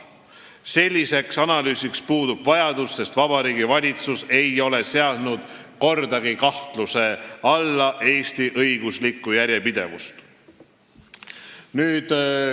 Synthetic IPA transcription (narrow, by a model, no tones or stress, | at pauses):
se̞lʲːise̞ksɑnɑlyːsikspuːd̪̥ub̥vɑjɑd̪usːe̞st̪vɑb̥ɑɾiːɡivɑlʲit̪suse̞jo̞le̞se̞ɑd̪̥nud̪̥ko̞rd̪̥ɑɡikɑht̪luse̞ɑlːɑʔe̞ːst̪iʔɤjɡuslikːˑujæɾʲjepid̪̥e̞̰vṵst̪ | nyːd̪̥